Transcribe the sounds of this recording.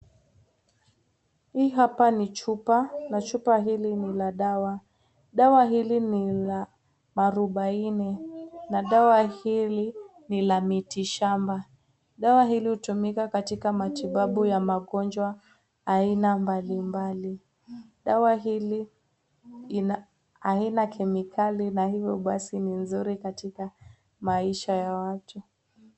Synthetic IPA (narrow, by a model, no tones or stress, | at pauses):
hiɦapanit͡ʃupanat͡ʃupaɦilinilaɗawa | ɗawaɦilinila | maɾuɓainɛnaɗawahili | nilamitiʃamba | ɗawaɦilihutumikakatikamatiɓaɓujamaɠɔnd͡ʒwaː | inambalimbali | ɗawaɦili | ina | ainakʰɛmikʰalinahivjɔɓasininzuɾikatika | maiʃajawatu